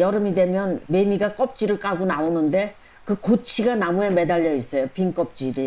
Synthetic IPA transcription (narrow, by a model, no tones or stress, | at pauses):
jʌɾɯmidwe̞mjʌnme̞miɡak͈ʌp̚t͡ɕ͈iɾɯɭk͈aɡonaonɯnde̞ | kɯkot͡ɕʰiɡanamueme̞daʎːʌis͈ʌjopiŋk͈ʌp̚t͡ɕ͈iɾi